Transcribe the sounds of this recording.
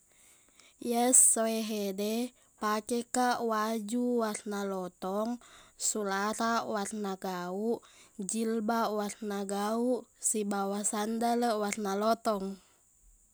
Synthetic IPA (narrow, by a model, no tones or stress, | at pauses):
jəsːoɛɦɛdɛ | pakɛkaʔwad͡ʒuwarnalɔt̪ɔŋsulaɾawarnaɡauʔd͡ʒilbawarnaɡauʔsibawasandaləwarnalɔt̪ɔŋ